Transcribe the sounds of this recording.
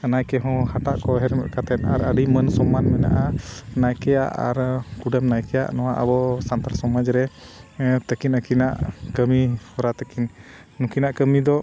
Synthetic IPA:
najkɛɦɔ̃haʈaʔkɔɦɛɾmɛ̰ʔ̪kat̪ɛnaɾəɖimənsɔmːanmɛna̰ʔanajkɛja̰ʔa̰ɾkuɖɛmnajkɛja̰ʔnɔwaʔəbɔsant̪aɾsɔmad͡ʒɾɛ | t̪əkinəkinaʔkəmihɔɾat̪əkinː | ũkinaʔkəmid̪ɔ

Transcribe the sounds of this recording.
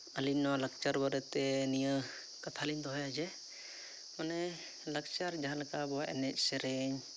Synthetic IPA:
əlinwalək̚t͡ʃaɾbəɾət̪ɛnijə | kat̪ʰalind̪ɔɦɔjad͡ʒɛ | mɔnɛ | lək̚t͡ʃaɾd͡ʒaalkabɔaʔɛ̰nɛc̚ˀsɛɾɛɲ

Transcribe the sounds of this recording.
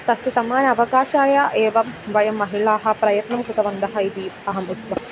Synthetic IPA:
t̪ɐsjɐsɐmaːnɐɐʋɐɡaːʃaːjɐʔeːʋɐmʋɐjɐmːɐɦiɭaːɦɐ̆pɾɐjɐt̪nɐmkɾut̪ɐʋɐnd̪ɐɦɐid̪iɐɦɐmut̪ʋɐ

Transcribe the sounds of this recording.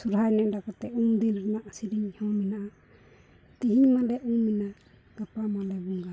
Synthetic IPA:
suɾɦajnɛʔɖakɔt̪ɛumd̪inɾɛnaʔsiɾiɲhɔminaʔa | t̪iɦiɲmalɛʔumːina | ɡ̥apamalɛbuŋɡa

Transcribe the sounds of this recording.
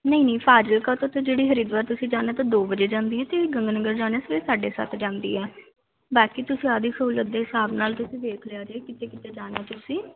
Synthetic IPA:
nəĩːnĩːpʰaːd͡ʒəlkaːt̪ot̪ed͡ʒeːɽiːɦəɾiːd̪ʋaːɾt̪ʊsĩːd͡ʒaːneːt̪ãːd̪oːbəd͡ʒeːd͡ʒãːnd̪iːɦɛːt̪eːɡə̃ŋɡnəɡəɾd͡ʒaːneːsʋesaːɖeːsə̰t̪ʰd͡ʒãːnd̪ḭːɛː | baːkiːt̪ʊsĩːaːd̪iːsuːləd̪eːɪsaːbnaːlt̪ʊsĩːʋeːkʰleaːd͡ʒeːkɪt̪eːkɪt̪eːd͡ʒaːnɛːt̪ʊsĩː

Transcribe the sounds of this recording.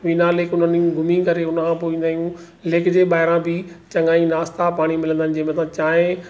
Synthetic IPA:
ʋiːnaleːkʊn̤ənĩɡʱʊmĩkɐɾeʊnkʰãpoːĩːnd̪aːɦijũ | leːkd͡ʑeːɓaːɦɪɾãbɪt͡ɕɐ̃ŋɡaːĩnaːst̪apaːɽ̃imɪlə̃nd̪aəɪnɪ̆d͡ʑɐɦmẽt̪ãt͡ɕaːɦẽ

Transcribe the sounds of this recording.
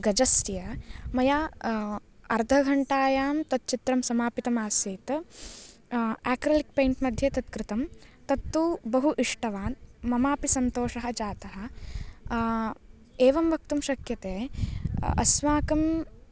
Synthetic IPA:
ɡɐd͡ʒɐst̪ijɐmɐjaː | ɐɾd̪ʱɐɡʱɐɳʈaːjaːmt̪ɐt̪̚t͡ʃit̪ɾɐmsɐmaːpit̪ɐmaːsjeːt̪ | aːkɾɐlik̚pejɳʈmɐd̪ʱjɐt̪ɐt̪kɾɪt̪ɐmt̪ɐt̪ːubɐɦuʔiʂʈɐʋaːnmɐmaːpisɐnt̪oːʂɐɦɐ̆d͡ʒaːt̪ɐɦɐ̆ | eːʋɐmʋɐk̚t̪umʃɐkjɐt̪eː | ɐ̰smaːkɐm

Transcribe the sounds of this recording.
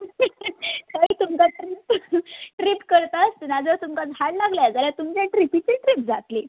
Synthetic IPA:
əit̪umkaʈɾipʈɾipkəɾt̪ast̪ənad͡zət̪umkad͡zʱaɽlaɡljad͡zaljat̪umt͡ɕjaʈɾipit͡ɕiʈɾip̚d͡zʱat̪li

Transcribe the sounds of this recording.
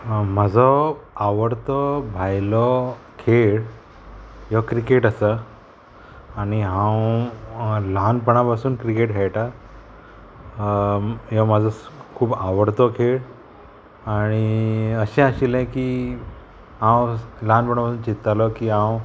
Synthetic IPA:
məd͡zʱɔaʋəɽt̪ɔbʱajlɔ | kʰeɭ | jɔkɾikeʈəsə | ɽ̃iɦãw | lanpəɳapasuːnkɾikeʈɦɛɭʈa | jɔməd͡zʱɔkʰuːbaʋəɽt̪ɔkʰeɭ | aɽ̃iəɕɛ̃aɕilɛ̃ki | ɦãwlanpəɳapasuːnt͡ɕit̪ːalɔkiɦãw

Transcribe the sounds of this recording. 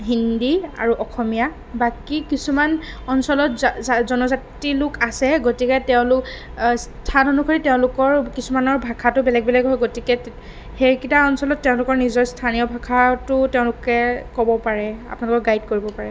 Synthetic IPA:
ɦindia̰ɹuʔɔxʰɔmija | bakikisumanɔnsɔlɔtzɔnɔzatilʊkasɛɡotikɛtɛʊ̃lʊk | stʰanɔnukʰoɹitɛʊ̃lʊkɔɹkisumanɔɹbʱakʰatʊbɛlɛɡ̚bɛlɛɡɦɔjɡotikɛ | heɹkitaɔnsɔlɔtːɛʊ̃lʊkɔɹnizɔɹstʰanijɔbʱakʰatʊtɛʊ̃lʊkɛkɔbɔpaɹɛa̰punalʊkɔkɡajd̚koɹibɔpaɹɛ

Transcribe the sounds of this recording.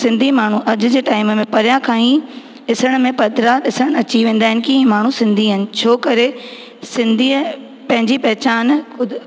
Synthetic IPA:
sɪ̃nd̪ʱimaːɳ̤uʔɐʄʊ̆d͡ʑeːʈaːɪmmẽpɐɾjãkʰãːĩ | ɪsəɽ̃mẽpɐd̪ʱɾaɗɪsəɽ̃ɐt͡ɕiʋẽːn̆d̪aːɦɪ̃nɪ̆kĩmaːɳ̤ũsɪ̃nd̪ʱiɦənɪ̆t͡ɕʰoːkɐɾe | sɪ̃nd̪ʱiː | pɐ̃ɦɪ̃ɲd͡ʑipɐɦɪt͡ɕaːnʊd̪

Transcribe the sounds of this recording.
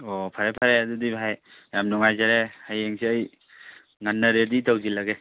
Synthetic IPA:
opʰaɾepʰaɾeadudibʱaj | jamnɔŋajzaɾehajeŋsʰiəj | ŋanːaɾeditawzilaɡe

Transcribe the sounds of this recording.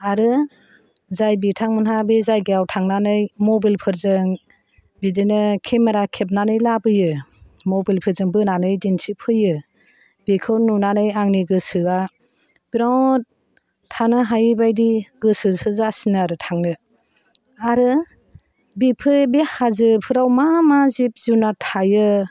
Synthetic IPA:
aɾɯ | zajbitʰaŋmɯnɦabezajɡeawtʰaŋnanɯjmɔbilpʰɯɾzɯŋ | bidenɯkʰemaɾakʰep̬̚nanɯjlabɯjɯmɔbilpʰɯɾzɯŋbɯnanɯjdinsipʰɯjɯ | b̥ikʰɯwnunanɯjaŋniɡɯsɯa | b̥iɾawt̚ | tʰːanɯɦajɯbajdiɡɯsɯsɯzasinaɾɯtʰaŋnɯ | aɾɯ | bipʰɯbihazɯpʰɯɾawmamazip̚zunatʰajɯ

